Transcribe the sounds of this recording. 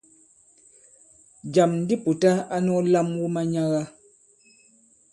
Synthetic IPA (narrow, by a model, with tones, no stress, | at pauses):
d͡ʒa˨mn̩˦di˦pu˨ta˦a˦nɔ˦la˦mwu˦ma˦ɲa˦ɣa˦